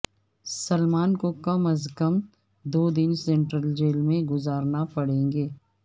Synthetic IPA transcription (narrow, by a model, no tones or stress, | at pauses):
səlmaːnkokɐməzkəm | d̪oːd̪ɪnsẽːɳʈɾəld͡ʒeːlmẽɡʊzaːɾnapɐɽ̤ẽːŋɡeː